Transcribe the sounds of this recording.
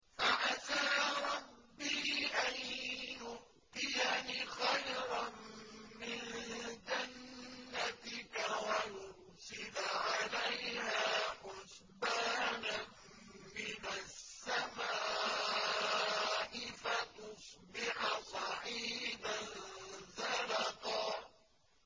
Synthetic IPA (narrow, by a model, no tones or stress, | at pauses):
faʔasaːɾˤɑbːiːʔanjʊʔ | t̪ɪjanɪxajɾˤɑmmɪnd͡ʒanːat̪ɪkawajʊɾ | sɪlʕalajhaːħʊs | baːna | mɪnasːamaː | ʔɪfat̪ʊsˤbɪħsˤɑħiːba | zɑɾɑqɑ